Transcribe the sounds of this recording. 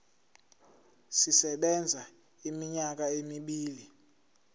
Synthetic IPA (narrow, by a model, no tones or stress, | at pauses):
sisɛɓɛnd͡zʱa | imiɲak̬aemiɓiːli